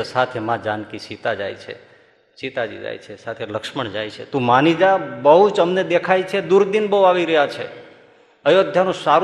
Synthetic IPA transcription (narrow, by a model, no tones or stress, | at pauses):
sat̪ʰemãd͡ʒankiʃit̪ad͡ʒa̰jt͡ʃʰḛ | ʃit̪ad͡ʒḭd͡ʒa̰jt͡ʃʰesat̪ʰeləkʃməɳd͡ʒajt͡ʃʰḛt̪ũmanid͡ʒabəɦut͡ʃəmned̪ekʰajt͡ʃʰed̪uɾd̪inbəɦuaʋiɾəɦjat͡ʃʰḛ | əjod̪ʱjanũsaɾ